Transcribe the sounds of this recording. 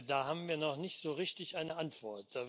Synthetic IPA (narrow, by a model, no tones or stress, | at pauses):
daːhaːbm̩viːɐnɔχnɪçtz̥oːʁɪçtɪçʔaɪnəʔantv̥ɔɐtd̥aː